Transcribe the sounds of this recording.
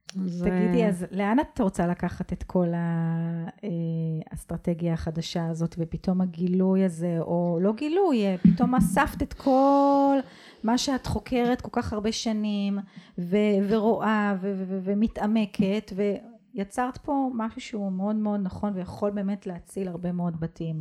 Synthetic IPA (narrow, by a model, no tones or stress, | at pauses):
ztaɡidiazleanat̪ʁot͡salakaχate̞t̪kʰo̞la | east̪ʁate̞ɡjaːχadaʃaːzo̞tvepito̞maɡilujaze̞ʔo̞lo̞ɡilujpito̞masaft̪etkʰo̞l | maʃeatχo̞kʰe̞ʁet̚ko̞lkaχhaʁbe̞ʃanimveveʁoʔavevvvemitʔame̞kʰe̞tve̞ | jat͡saʁt̪po̞maʃuʃeumeo̞dmeo̞d̪naχo̞nvejaχo̞lbe̞ːme̞tleat͡silaʁbe̞meo̞dbatʰim